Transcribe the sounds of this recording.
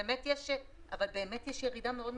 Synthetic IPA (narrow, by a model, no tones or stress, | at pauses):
metjɛʃ | ʔa̰valbe̞ːmetjɛʃjeʁidameo̞dm